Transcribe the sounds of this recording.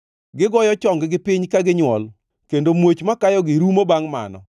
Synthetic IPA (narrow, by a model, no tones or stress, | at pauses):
ɡɪɡɔjɔt͡ʃɔŋɡɪɡɪpɪɲkaɡɪɲwɔl | kendomwot͡ʃmakajɔɡɪɾumobaŋma̰nɔ̰